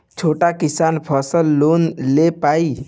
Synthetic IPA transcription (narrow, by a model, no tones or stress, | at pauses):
t͡ʃʰoːʈakisanpʰəsəlːonlepai